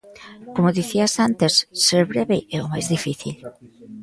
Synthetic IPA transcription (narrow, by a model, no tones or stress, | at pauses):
komʊðiθiasant̪esːeɾβɾɛβɪʔɛomajzðifiθḭl